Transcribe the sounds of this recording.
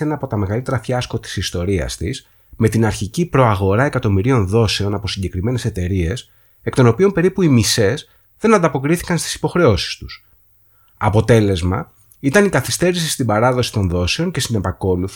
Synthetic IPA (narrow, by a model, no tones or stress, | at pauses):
enɐːpo̞t̪ɐme̞ɣɐlit̪e̞ɾɐfçɐsko̞t̪i̥sist̪o̞ɾiɐ̰st̪is | me̞t̪inɐɾçicipɾo̞ɐɣo̞ɾɐe̞kɐt̪o̞miɾio̞nðo̞se̞o̞nɐpo̞siɲɟe̞kɾime̞ne̞se̞t̪e̞ɾie̞s | e̞kt̪ono̞piompe̞ɾipuimise̞z | ðe̞nɐnd̪ɐpo̞kɾiθi̥kɐnst̪i̥si̥po̞xɾe̞o̞si̥st̪u̥s | ɐpo̞t̪e̞le̞zmɐ̰ | it̪ɐnikɐθist̪e̞ɾisist̪ibɐɾɐðo̞si̥t̪o̞nðo̞se̞o̞ɲcest̪inepɐko̞luθ